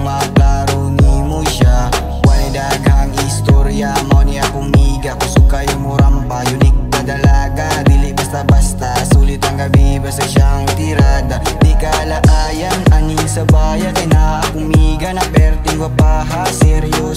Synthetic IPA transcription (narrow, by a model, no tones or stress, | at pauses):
maplaɾunimuʃa | wanedaɡaŋist̪ɔɾiamaniakumiɡakusukajmuɾampajunik̚bad̪alaɡadilibast̪abast̪asulit̪aŋɡabibasaʃaŋt̪iɾad̪ad̪ikalaʔajananisəbajat̪anakumiɡanapɛrt̪iŋɡwapaɦasɛɾiu